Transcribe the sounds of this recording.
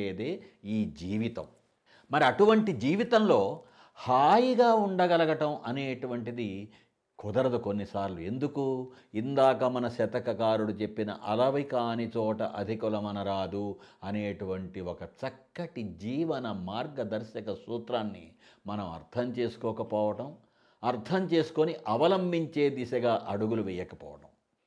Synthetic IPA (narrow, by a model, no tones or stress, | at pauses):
eːd̪e̞ːiːd͡ʒiːʋit̪ɐm | mɐɾiɐʈuʋɐɳʈid͡ʒiːʋit̪ɐmlo̞ː | haːjiɡaːuɳɖɐɡɐlɐɡɐʈɐmʔɐneːʈuʋɐɳʈid̪i | kɔd̪ɐɾɐd̪uko̞nːisaːɾlue̞nd̪ukuind̪aːkɐmɐnɐsɐt̪ɐkɐkaːɾuɽut͡ʃe̞pːinɐ̰ʔɐlɐʋikaːnit͡ʃɔːʈɐ̰ʔɐd̪ʱikulɐmɐnɐɾaːd̪uɐneːʈuʋɐɳʈiɔkɐt͡ʃɐkːɐʈid͡ʒiːʋɐnɐmaːɾɡɐd̪ɐɾʃɐkɐsuːt̪ɾaːnːḭ | mɐnɐmɐ̰ɾt̪ʰɐmt͡ʃe̞ːsu̥kɔːkɐpɔːʋɐʈɐm | ɐɾt̪ʰɐmt͡ʃe̞ːsu̥koniʔɐʋɐlɐmbʱiɲt͡ʃe̞ːd̪isɐɡaːʔɐɽuɡuluʋɛjɐkɐpɔ̰ːʋɐʈɐm